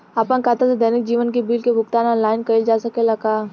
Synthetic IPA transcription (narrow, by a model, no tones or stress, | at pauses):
aːpə̃nkat̪ased̪ɐnɪkd͡ʒiːʋənkibiːlkebʱʊkt̪aːnɔ̃ːnlaːɪnkɐɪld͡ʒaːsɐkelɐkaː